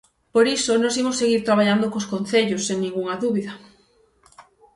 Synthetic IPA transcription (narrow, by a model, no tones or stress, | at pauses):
poɾisonõsimosːeɣiɾt̪ɾaβaʎand̪okoskonθeʎosːeŋnĩŋɡuŋɐðuβiðɐ